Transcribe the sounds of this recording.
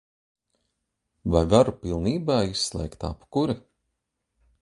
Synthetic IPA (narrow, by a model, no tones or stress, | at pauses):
vajvaɾupilˠniːbaːisslˠɛ̰jkt̪a̰pkuɾi